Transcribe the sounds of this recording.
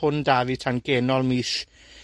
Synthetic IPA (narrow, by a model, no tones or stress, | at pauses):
ʊndavitʰanɡ̥ɛːnɔlˠmiːs